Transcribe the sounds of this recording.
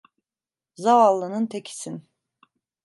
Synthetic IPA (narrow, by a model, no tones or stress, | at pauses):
zavalˠːɯnɯnt̪ʰecʰi̥sin